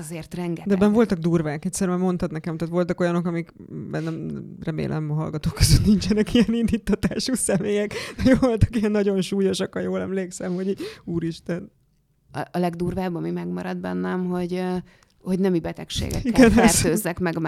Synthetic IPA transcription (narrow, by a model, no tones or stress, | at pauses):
zeːrt̪rɛŋɡɛd̪ɛbɛɱvo̞lt̪ɒɡ̚d̪uːrvaːkɛct̪ʲsɛɾmɛmo̞nt̪ɒt̪nɛkɛmt̪aːt̪ʋo̞lt̪ɒko̞jɒno̞kɒmikbɛnːɛmrɛmḛːlʔɛ̰mɒɦɒ̰lɡɒt̪oːkːøzøt̪nint͡ʃɛnɛkijɛnind̪it̪ːɒt̪aːʃuːsɛmeːjɛkd̪ɛjoːlvolt̪ɒ̥kijɛnːɒɟo̞nʃuːjoʃɒkhɒjoːlɛmleːksɛmhoɟiːuːɾiʃt̪ɛn | ɒlɛɡd̪uːrvaːbɒmimɛɡmɒɾɒd̪̚bɛnːɛmɦo̞ɟ | ho̞ɟnɛmibɛt̪ɛkʃḛːɡɛ̰iɡɛnɛrd̪øːzːɛkmɛɡm